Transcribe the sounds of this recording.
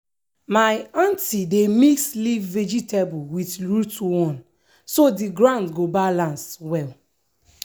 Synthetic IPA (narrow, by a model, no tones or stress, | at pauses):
maɪãntidemislivːɛd͡ʒitebuwitɹutwɔ̃n | sodiɡɹãndɡobalãnswɛl